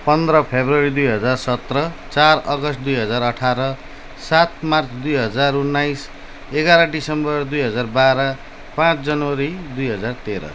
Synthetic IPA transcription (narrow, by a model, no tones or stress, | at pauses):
pʌnd̪ɾʌpʰebrʌɾid̪ujɦʌd͡zarsʌt̪rʌt͡sarʌɡʌst̚d̪ujɦʌd͡zaɾʌʈʰaɾʌ | sat̪mart͡sd̪ujɦʌd͡zarunːajs | eɡaɾʌɖisʌmbʌrd̪ujɦʌd͡zarbaɾʌ | pãt͡sd͡zʌnʌwʌɾid̪ujɦʌd͡zart̪eɾʌ̰